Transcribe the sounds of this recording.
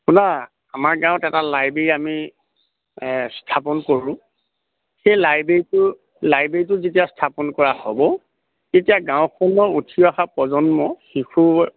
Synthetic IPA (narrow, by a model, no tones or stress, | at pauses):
puna | amaɹɡãʊ̃tɛtalajbeɹiami | stʰapɔnkoɹʊ̃ | xejlajbeɹitʊ | lajbeɹit̬ʊzetijastʰapɔnkɔɹahɔbɔ | tetijaɡãʊ̃kʰɔnɔutʰiɔaxapɹɔzɔnmɔxikʰu